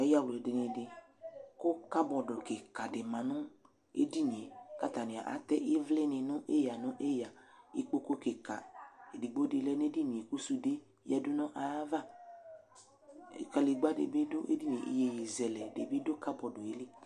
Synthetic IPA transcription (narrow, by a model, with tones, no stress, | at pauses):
ɛ˨ja˦˨wldɪ˨nɪ̃˨dɪ˨ | kʊ˦ka˦bɔ˨dʊ˨ke˨ka˨dɪ˨mã˨nʊ̃˦ | ḛ˦di˦nĩ˨e˨ka˦t̪a˨nɪ̃˨a̰˨ʔa̰˨˦t̪ɛ˦ʔɪ˦vlɪ˦nɪ̃˨nʊ̃˦ʔe˦ja˨nʊ̃˦ʔe˦ja˨ɪ˦k͡po˦ko˦ke˨ka̰˨e˨di˨ɡ͡bo˦de˨lɛ˦n˦e˦di˦nĩ˨e˨ku˦su˦de˦ | jɛ˦dʊ˦nɔ̃˦ʔa˨˦va˦˨ | ka˨le˨ɡ͡ba˦dḛ˨bɪ˦dʊ˦ḛ˦di˦nĩ˨ʔi˦je˨je˨zɛ˨lɛ˨de˨be˦dʊ˦ka˦bɔ˨dʊ˨e˨˦le˦